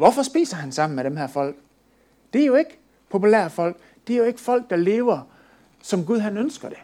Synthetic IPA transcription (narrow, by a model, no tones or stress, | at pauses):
ʋɒfɒ̽sb̥ḭːsɐɦænsɑ̈m̰n̩meɾ̥emɦæɐ̰fɒ̽l̰ɡ̥ | d̥e̝æɐjo̝e̝ɡ̥ə | pʰo̝pʰulæ̰ɐfɒ̽l̰ɡ̥̚ | d̥eæɐjo̝e̝ɡ̥əfɒ̽l̰ɡ̥̚d̥ɑ̈le̝ːʊɐ | sɒ̽mɡ̥uð̞ˠɦænønsɡ̥ɐd̥e̝